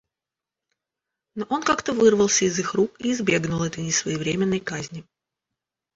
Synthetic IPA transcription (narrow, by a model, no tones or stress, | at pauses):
noʔo̞nkakt̪əvɨrvəlˠsʲəɪzɨxrukiːzbʲe̞ɡnʊlˠɛt̪əjnʲɪsvəjɪvɾʲemʲɪnːəjkazʲnʲɪ